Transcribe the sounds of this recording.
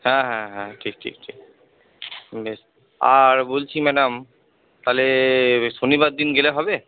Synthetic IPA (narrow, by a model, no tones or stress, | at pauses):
hɛ̃ɦɛ̃ɦɛ̃ʈʰik̚ʈʰḭk̚ʈʰik̚ | beʃ | a̰ɾbolt͡ɕʰimɛɖam | t̪aleʃonibad̪ːinɡeleɦɔbe